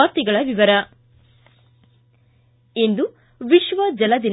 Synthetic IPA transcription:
aːɾt̪iɡɐɭɐʋiʋɐɾɐ | ind̪u | ʋiʃʋɐd͡ʒɐlɐd̪in

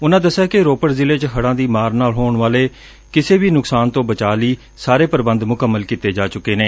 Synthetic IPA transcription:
ʊnãːd̪əsːaːkɪɾoːpəɾzɪleːt͡ʃɦəɽãːd̪iːmaːɾnaːlɦoːɳʋaːleː | kɪseːbiːnʊksaːnt̪õːbət͡ʃaːliː | saːɾeːpəɾbə̃nd̪mʊkəmːəlkiːt̪eːd͡ʒaːt͡ʃʊkːeːneː

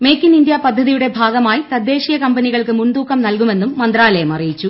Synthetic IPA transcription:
me̞ːkːinind̪japɐd̪ʱːɐðijuɽe̞bʱaːɡɐmaːjit̪ɐd̪ʱːe̞ːʂijɐkɐmbɐniɣɐɭkɨmund̪uːkʰːɐmnɐlkume̞nːumːɐnd̪raːlɐjɐmɐrijit͡ɕːu

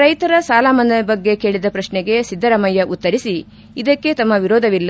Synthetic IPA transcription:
ɾɐjt̪ɐɾɐsaːlaːmɐnd̪ɐbɐɡːe̞ke̞ːɭid̪ɐpɾɐʃnɛɡe̞sid̪ʱːɐɾɐmɐjːɐʔut̪ːɐɾisi | id̪ɐkːe̞t̪ɐmːɐʋiɾɔːd̪ʱɐʋilːɐ

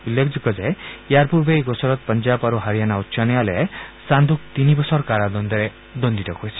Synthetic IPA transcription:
ulːekʰd͡ʒuɡɔd͡ʒajjaɾpuɾbeɡɔsɔɾɔt̪̚pʌnd͡ʒabaɾuɦaɾijanaut̪ːʃʰanjalesand̪ʱuk̚t̪inibɔsɔɾkaɾad̪ɔnd̪ɔɾe | d̪ɔnd̪it̪ɔkoet͡ʃʰi̥

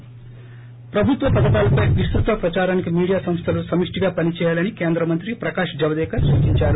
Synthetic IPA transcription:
pɾɐbʱut̪ʋɐpɐd̪ɐt̪aːlɐpɐjʋist̪ɾut̪ʋɐpɾɐt͡ʃaːɾaːnikimiːɽijaːsɐ̃mst̪ʰɐlusɐmiʂʈiɡaːpɐnit͡ʃɛːjaːlɐnikeːnd̪ɾɐmɐnt̪ɾipɾɐkaːʂd͡ʒɐʋɐd̪ɛːkɐsuːt͡ʃiɲt͡ʃaːɾu

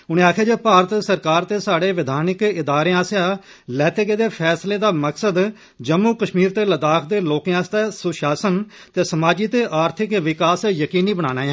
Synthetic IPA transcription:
ʊnẽːaːkʰeːd͡ʒeːpaːɾət̪səɾkaːɾt̪eːsaːɽeːʋɪd̪ʱaːnɪkɪd̪aːɾeːãːsjãː | lɛːt̪eːkeːd̪eːpʰɛːsleːd̪aːməksəd̪ | d͡ʒəmːuːkəʃmiːɾt̪eːləd̪aːkʰd̪eːloːkẽãːst̪eːsʊʃaːsən | t̪eːsəmaːd͡ʒiːt̪eːʔaːɾt̪ʰɪkʋɪkaːsjəkiːniːbəɽ̃aːnaːɛ̃ː

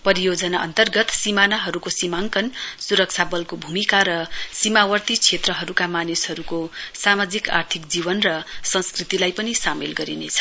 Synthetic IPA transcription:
pʌɾijod͡zʌnaʔʌ̰nt̪ʌrɡʌt̪simanaɦʌɾukosimaŋkʌnsuɾʌk̚t͡sʰabʌlkobʱumikaɾʌsimawʌrt̪it͡sʰet̪rʌɦʌɾukamanisɦʌɾukosamad͡zika̰rt̪ʰikd͡zibʌnrʌsʌnskrit̪ilajpʌnisamelɡʌɾinḛt͡sʰʌ̥

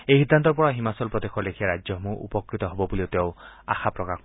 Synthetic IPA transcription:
ejɦid̪ʱːant̪ɔɾpɔɹaɦimasɔlpɾɔd̪ekʰɔlekʰiaɾad͡ʒjɔmũʔṵpɔkɾit̪ɔɦobɔbuliot̪ew | a̰xʰapɾɔka

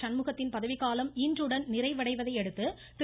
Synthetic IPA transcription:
sɐnmɯɣɐt̪ːɪnpɐðɐʋɪɣaːlɐmindrɯɽɐnnɪrɐɪʋɐɽɐɪʋɐðɐɪɛɽɯt̪ːɯ | t̪ɪ

